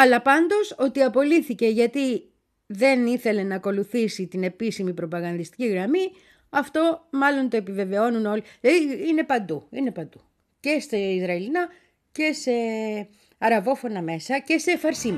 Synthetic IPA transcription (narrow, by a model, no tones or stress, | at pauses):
ɐlɐpɐnd̪o̞so̞t̪iɐpo̞liθice̞ʝɐt̪i | ðe̞niθe̞le̞nɐːko̞luθisit̪ine̞pisimipɾo̞pɐɣɐnd̪ist̪i̥ciɣɾɐmi | ɐft̪o̞mɐlo̞nt̪o̞e̞pive̞ve̞o̞nuno̞liine̞pɐnd̪uḭne̞pɐnd̪u | ce̞st̪ɐizɾɐelinɐ | ce̞se̞ | ɐɾɐvo̞fo̞nɐme̞sɐce̞sefɐɾsim